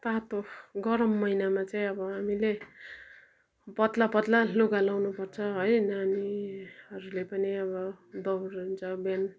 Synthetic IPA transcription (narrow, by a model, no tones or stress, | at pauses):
t̪at̪oɡʌɾʌmːʌinamat͡saĩʌbʌɦamile | pʌt̪lapʌt̪laloɡalawnupʌrt͡sʰʌɦʌjnaniɦʌɾulepʌniʌβʌd̪ʌwruɦnt͡sʰʌben